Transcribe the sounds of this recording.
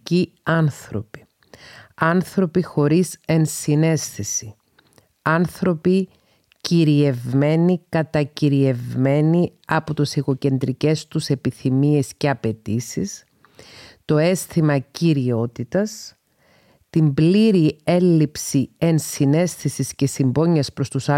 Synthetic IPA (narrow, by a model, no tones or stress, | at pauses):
i | ɐnθɾo̞pi̥ | ɐnθɾo̞pixo̞ɾise̞nsine̞sθisi | ɐnθɾo̞pi | ciɾie̞vme̞nikɐt̪ɐciɾie̞vme̞niɐpot̪usiɣo̞ce̞nd̪ɾice̞st̪use̞piθimie̞sce̞ɐpe̞t̪isis | t̪o̞e̞sθimɐciɾio̞t̪it̪ɐs | t̪imbliɾie̞lːipsie̞nsine̞sθisisce̞simbo̞ɲɐspɾo̞st̪usɐ